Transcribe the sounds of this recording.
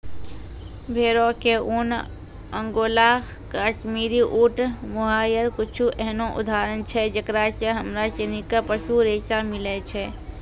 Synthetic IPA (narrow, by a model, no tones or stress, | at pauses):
bʱeːɾokeun | ə̃ŋɡoːlaː | kaːʃmiːɾiʔuːʈmoɦaːjəɾkʊt͡ʃʰuʔɛɦnoʔʊ̰d̪ʱaːɾənt͡ʃʰɛd͡ʒəkɾaseɦəmɾaseːnikapəʃuɾeːsamɪlet͡ʃʰɛ